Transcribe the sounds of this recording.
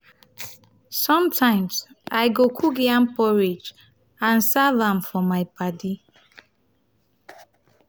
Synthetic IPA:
sɔ̃mtʰãɪ̃ms | aɪɡokʰukiãmpɔɹid͡ʒ | ãnsavãmfɔmaɪpʰadi

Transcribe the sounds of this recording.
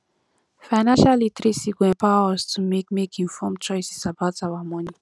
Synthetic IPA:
fanaʃalit̪ɾisiɡwɛ̃paɔst͡sumekmekĩnfɔmt͡ʃɔjsisabat͡sawamɔni

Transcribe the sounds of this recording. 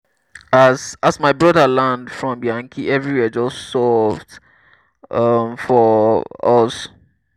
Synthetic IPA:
asasmaɪbɹɔdəlãndfɹɔ̃mbjãŋkʰiʔɛvɹiwɛd͡ʒɔssɔvd | ʌmfɔɔs

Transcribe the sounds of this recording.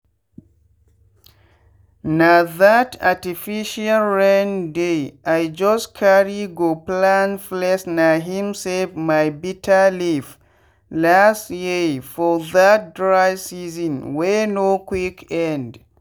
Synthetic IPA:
naðatatifiʃalɹãndeʔajd͡ʒɔskʰaɹiɡoplãnflɛsnaɦĩmsɛlfmajbitʰəlif | lastjefɔðat̚dɹajsizɔ̃nwenokwikʰɛ̃nd

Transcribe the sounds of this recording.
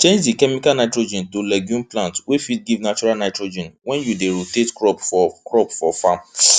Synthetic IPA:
t͡ʃẽd͡ʒdikɛmikalnaɪtɾod͡ʒɛ̃ntolɛɡjũnplãntwefit̚ɡivnat͡ʃuɾalnajtɾod͡ʒɛ̃nwɛ̃njudeɾotetkɾɔpɔkɹɔpfɔfam

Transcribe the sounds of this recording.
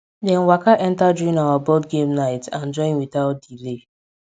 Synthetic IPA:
dɛ̃nwakaʔɛ̃ntad͡ʒuĩnawabɔdɡẽmnaɪtãnd͡ʒɔ̃ɪ̃nwitaʊt̚dile

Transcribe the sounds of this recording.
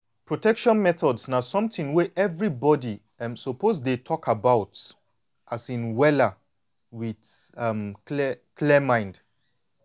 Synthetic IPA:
pɹotɛkʃɔ̃nmɛθɔdsnasɔ̃mtĩŋwɛʔɛvɹibɔdi | msɔpozdetʰɔkʰabaʊt | ʔasĩnwɛla | widamklɛmãɪ̃nd

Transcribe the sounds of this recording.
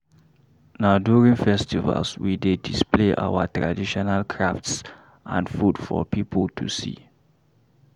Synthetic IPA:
nadjuɹĩŋfɛstiva̰lswidedispleʔa̰wətɹa̰diʃɔnalkʰɹafts | ʔã̰nfudfɔ̰pipʰəltʰṵsḭ

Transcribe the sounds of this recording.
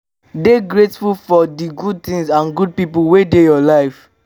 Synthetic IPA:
deɡɹetfulfɔdiɡud̚t̪ĩŋzãnɡud̚pipulwedejɔlaɪf

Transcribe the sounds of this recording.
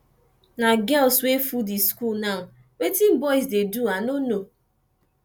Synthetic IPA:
naɡɛlswefudiskulna | wetim̩bɔɪs̬deduanono

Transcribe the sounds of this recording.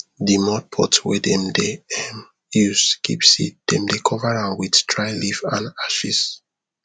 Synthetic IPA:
dimɔd̚pʰɔ̰twɛdɛ̃mdeɛm | juzkʰḭpsḭt̚d̥ɛ̃mdekʰɔvaɹãʊ̃nwidtʰɹajlivãnaʃis

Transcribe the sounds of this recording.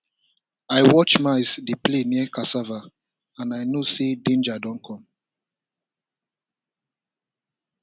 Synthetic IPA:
ajwɔt͡ʃmaɪsdipleniɛkasava | ãnajnosedẽnd͡ʒadɔ̃nkʰɔ̃m

